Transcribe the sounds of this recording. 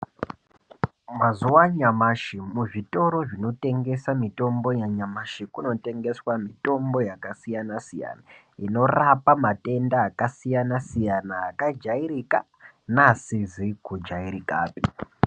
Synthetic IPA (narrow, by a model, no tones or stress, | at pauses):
mazuwaɲamaʃimuʐito̞ɾo̞ʐino̞te̞ŋɡe̞samito̞mbo̞jaɲamaʃikuno̞te̞ŋɡe̞swamito̞mbo̞jakasijanasija̰na | ino̞rapamate̞ndaːkasijanasijanaːkad͡ʒaiɾika̰ | nasizikud͡ʒaiɾika̰ːpi